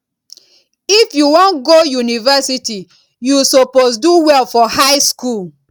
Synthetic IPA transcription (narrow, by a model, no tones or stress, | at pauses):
ifjuwɔ̃nɡojunivɛsiti | jusoposduwɛlfɔhaɪskul